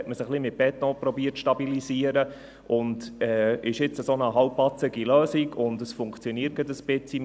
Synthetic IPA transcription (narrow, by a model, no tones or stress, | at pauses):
ɛtməsəχlimɪt̚b̥ɛtɔ̃ːpɾɔbiːətʃtɑbiliziəɾə | ʔʊndɛːɪʃɪt͡səsonəɦɑlpːɑt͡səɡiløːsiɡʊndəsfʊŋkt͡sjɔniərt̚ɡ̥ədəspɪt͡si